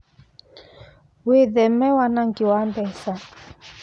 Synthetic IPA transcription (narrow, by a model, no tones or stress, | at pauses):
weðɛmɛwanaŋɡiwambɛsa